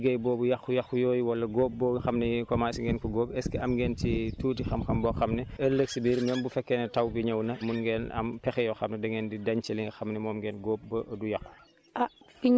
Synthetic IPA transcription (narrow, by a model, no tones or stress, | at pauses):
ɡɐjbɔːbujɐxujɐxujɔːjiwɐlːɐɡoːp̚bɔːɡxɐmnɛjkɔmasiŋɡɛːnkɔɡoːpɛskiɐmɡɛːntituːtixɐmxɐmbɔːxɐmnɛɐlːəksibiːɾmɛmbufɛkːɛnɛtɐwbiɲɐwnɐmunɡɛnɐ̰mpɛxɛjɔxɐmnɛdɛŋɡɛːndidɐɲt͡ʃɐliŋɡxɐmnɛmɔːmɡɛːnɡoːp̚bɐʔdujɐxu̥ | ʔafiɲ